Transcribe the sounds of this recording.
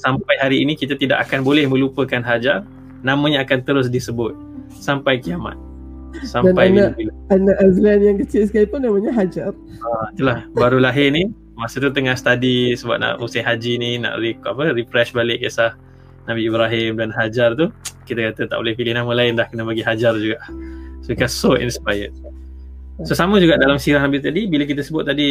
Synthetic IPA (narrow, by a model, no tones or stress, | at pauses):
sampajɦaɾiːnikit̪at̪ida̰ʔakanbolɛhmə̃lupəkanɦad͡ʒar | namə̃ɲaːkant̪əɾʊs̬disəbʊt̪̚ | sampajkiama̰t̪̚ | sadanpajnail | anaʔazlanjaŋkət͡ʃɪlsə̥kalipʊnːãmaɲaɦad͡ʒar | ait̪ulahbaɾulaɦɪrni | masət̪̬ut̪əŋahst̪adisəba̰p̚na̰ʔmusɪɦad͡ʒinina̰ʔrikapəripɾɛʃbalɪkjəsah | nabiːbɾaɦɪmdanɦad͡ʒart̪ukit̪akat̪ət̪aʔo̰lɪhfilɪhnamə̃laɪndahkənəbaɡiɦad͡ʒard͡ʒuɡaʔsoikansoʔḭnspajə̰t̚ | sosaməd͡ʒuɡaʔdalamsiɾaɦambɪst̪adibilak̬it̪asəbʊt̪̚ːadi